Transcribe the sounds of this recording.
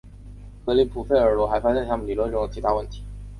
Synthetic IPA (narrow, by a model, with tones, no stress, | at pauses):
kɤ˧˥li˧˥˩pʰu˨˩fe˥˩ɪə˞˨˥lwɔ˧˥xa˧˥ɪfa˥ɕjɛ˥˩nt̪ʰa˥mə˨nli˨˩lwə˥˧nʈ͡ʂʊ˥˩ŋd̪ə˩t͡ɕʰi˧˥t̪ʰa˥wə˥˩nt̪ʰi̥˧˥